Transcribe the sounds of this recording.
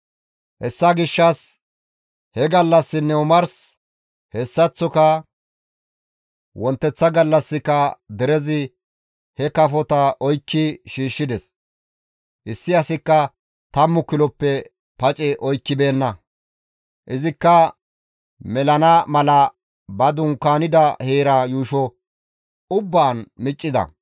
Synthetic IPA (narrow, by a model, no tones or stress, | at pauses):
hɛsːɐɡɪʃːɐs | hɛɡɐlːɐsːɪnːɛʊmɐɾs | hɛsːɐt͡sːɔkɐ | wɔnt̪ːɛt͡sːɐɡɐlːɐsːɪkɐd̪ɛɾɛzɪ | hɛkɐfɔt̪ɐʔɔjkːɪʃiːʃːɪd̪ɛs | ʔɪsːɪɐsɪkːɐ | t̪ɐmːʊkɪlɔpːɛ | pɐt͡ʃʼɛʔɔjkːɪbe̞ːnːɐ | ʔɪzɪkːɐ | mɛlɐnɐmɐlɐ | bɐd̪ʊŋkːaːnɪd̪ɐheːɾɐjuːʃɔ | ʊbːaːnmɪt͡ʃʼːɪd̪ɐ̰